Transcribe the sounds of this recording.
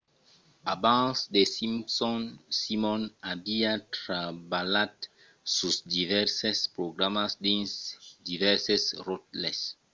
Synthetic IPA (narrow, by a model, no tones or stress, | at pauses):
abãnsd̪esĩmpsɔnsimɔ̃nabiat̪ɾabalat̪ | susd̪ivɛɾsespɾoɡɾamasd̪ẽnsd̪ivɛɾsesrot̪les